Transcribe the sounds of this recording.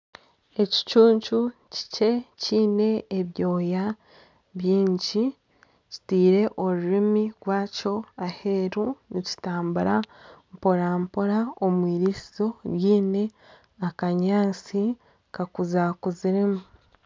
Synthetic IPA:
e̞ci̥t͡ʃuːɲt͡ʃuci̥ce̞ciːne̞ːβjo̞ːja | βjiːɲɟi | ci̥tiːɾe̞ʔo̞ɾuɾimiɡwaːco̞ahe̞ɾunici̥taːmbuɾampo̞ɾaːmpoɾaomwiːɾisizo̞jiːne̞ | akaɲaːt͡si | kakuzakuziɾimu

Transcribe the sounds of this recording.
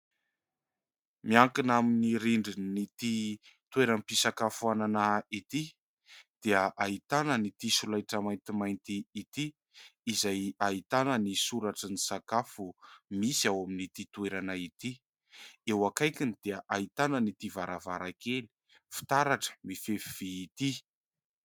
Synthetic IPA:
miaŋkinaminiɾiɳɖ͡ʐinit̪it̪weɾampisakafuananait̪i | d̪̥eəʔait̪anənit̪isulajʈ͡ʂəmajnt̪imajnt̪iːt̪iː | zajait̪anənisuɾaʈ͡ʂənisakafumisiawaminit̪it̪weɾanait̪i | ewakajkinid̪̥eəʔait̪anənit̪ivaɾʔavaɾakeli̥ | fi̥t̪aɾaʈ͡ʂə̥mifefiv̥iːt̪i

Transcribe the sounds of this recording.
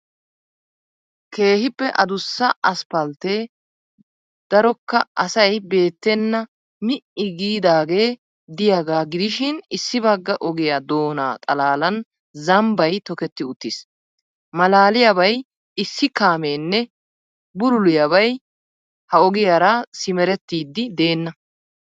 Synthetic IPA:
ke̞ːhɪpːɛʔɐd̪ʊsːɐɐspɐlt̪eː | d̪̥ɐɾɔkːɐɐsɐjbe̞ːt̪ːɛnːɐ | mɪʔɪɡiːd̪aːɡe̞ː | d̪ɪjaɡaːɡɪd̪ɪʃɪnɪsːɪbɐɡːɐʔɔɡɪjad̪o̞ːna̰ːt̪ʼɐlaːlɐn | zɐmbɐjt̪ɔkɛt̪ːɪʊt̪ːis | mɐlaːlɪjabɐj | ɪsːɪkaːmeːnːɛ | bʊɾʊlʊjɐbɐj | hɐɔɡɪjaːɾɐsɪmɛɾɛt̪ːiːd̪ːɪd̪e̞ːnːɐ

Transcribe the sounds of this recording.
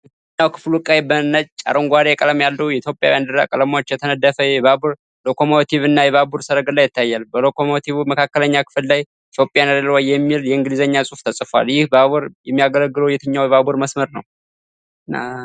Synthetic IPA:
ɛt̪ɨɲːawkʰɨ̥flukʼːajbənət͡ʃʼt͡ʃʼa̰ɾəŋɡʷaɾekʼələmjalːəwjɛit̪ʰjopʼːja̰wjand̪ɨɾa̰kʼələmaot͡ʃːjɛt̪ʰənəd̪əfəjɛβabuɾ | lo̞kʰo̞mot̪ʰiβɨnːajɛβabuɾsəɾəɡɨlajːɪt̪ːajːalbəlo̞kʰomot̪ʰiβuməkʰakːələɲːakʰɨ̥fɨlːaj | it̪ʰjo̞pʼjanadəlwajːɛmːiljɛɨŋɡɨlizəɲːasʼuft̪ʰəsʼfa̰ljɪhbaβuɾjɛmːijaɡələɡːɨlowjɛt̪ʰɨɲːawjɛβabuɾməsməɾnəw | na̰

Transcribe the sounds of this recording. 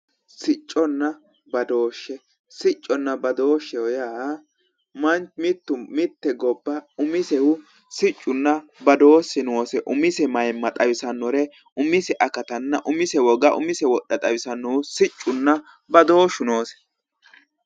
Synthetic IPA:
sɪt͡ʃʼːɔnːɐ | bɐd̪o̞ːʃːɛ | sɪt͡ʃʼːɔnːɐbɐd̪o̞ːʃːɛwɔjaː | mɐnt͡ʃmɪt̪ːʊmɪt̪ːɛɡɔbːɐʊmɪsɛwʊ | sɪt͡ʃʼːʊnːɐbɐd̪o̞ːsɪno̞ːsɛʔʊmɪsɛmɐjmːɐt̪ʼɐwɪsɐnːɔɾɛ | ʊmɪsɛʔɐkɐt̪ɐnːɐʔʊmɪsɛwɔɡɐʔʊ̰mɪsɛwɔɗːɐt̪ʼɐwɪsɐnːɔwʊsɪt͡ʃʼːʊnːɐ | bɐd̪o̞ːʃʊno̞ːsɛ̥

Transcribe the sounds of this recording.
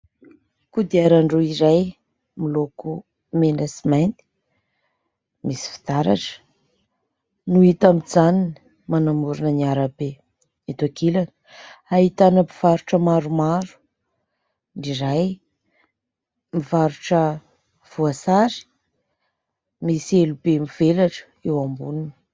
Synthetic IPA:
kud̪iaɾaɳɖ͡ʐuiɾaj | miloku | menasimant̪i̥ | misi̥fi̥t̪aɾa̰ʈ͡ʂə̥ | nuit̪amid͡zanini̥ | manamuɾunəniaɾabe | it̪akʰilanə̥aɦit̪anəmiv̥aɾuʈ͡ʂəmaɾumaɾu̥ | niɾaj | mivaɾuʈ͡ʂə | v̥uasaɾi̥ | misielubemiv̥elaʈ͡ʂə̥ewambunini̥

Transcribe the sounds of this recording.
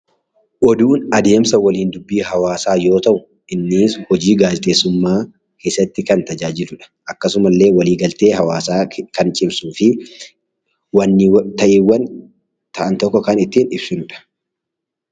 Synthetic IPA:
ʔɔd̪uːnɐd̪e̞ːmsɐwɐliːnd̪ʊbːiːɦɐwaːsaːjo̞ːt̪ɐʔʊ | ʔɪnːiːshɔd͡ʒiːɡaːd͡ʒɛt̪ʼeːsːʊmːaː | kʰe̞ːsːɐt̪ːɪkɐnt̪ɐd͡ʒaːd͡ʒɪlʊᶑɐ̥ʔɐkːɐsʊmɐlːe̞ːwɐliːɡɐlt̪e̞ːɦɐwaːsaːkɐnt͡ʃʼɪbsuːfɪ | wɐnːɪt̪ɐʔɪwːɐn | t̪ɐʔɐnt̪ɔkːɔkɐnɪt̪ːiːnɪbsʊnᶑɐ̥

